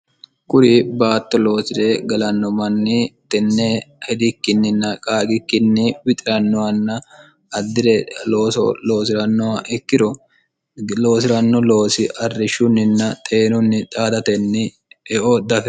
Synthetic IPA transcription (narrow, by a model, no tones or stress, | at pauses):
kʼʊɾibaːt̪ːɔlo̞ːsɪɾeːɡɐlɐnːɔmɐnːɪt̪ɛnːɛhɛd̪ɪkːɪnːɪnːɐkʼaːɡɪkːɪnːɪwɪt̪ʼɪɾɐnːɔwɐnːɐ | ɐd̪ːɪɾɛloːsɔ̰lo̞ːsɪɾɐnːɔwɐʔɛkːɪɾɔ | lo̞ːs̬ɪɾɐnːɔlo̞ːsɪʔɐrːɪʃʊnːɪnːɐt̪ʼeːnʊnːɪt̪ʼaːd̪ɐt̪ɛnːɪ | ɛʔod̪ɐfɛ